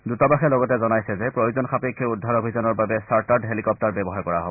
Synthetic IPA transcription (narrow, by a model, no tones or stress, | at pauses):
dutɔbaxɛlɔɡɔtɛzɔnajsɛzɛpɹojuzɔnxapekʰːɔudʱːaɹobʱizɔnɔɹbabɛsaɹtaɹdɦelikɔp̚taɹbɛbɔɦaɹkɔɹa̰ɦobɔ